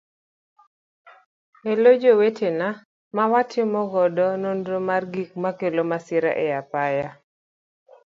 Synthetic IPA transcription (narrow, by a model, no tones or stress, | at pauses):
elod͡ʒowetʰena | mawatʰɪmɔɡɔdɔnondɾomarɡik̚makelomasɪɾa̰ʔɛjapaja